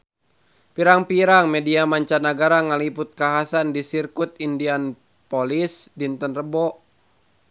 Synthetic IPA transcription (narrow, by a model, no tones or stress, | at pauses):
piɾaŋpiɾaŋmɛdiamaɲt͡ʃanaɡaɾaŋaliput̪̚kaɦasandisirkut̪̚indian | pɔlisdint̪ənrəbɔʔ